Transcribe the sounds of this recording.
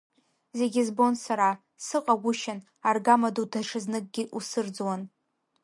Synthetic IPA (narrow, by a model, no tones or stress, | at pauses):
ze̞ɡʲɪzbo̞nsaɾa | sɨqʼaɡʷʊʃan | arɡamadutʰaʂʰɨznɨk̚ʼɡʲɪʔusɨrd͡zwan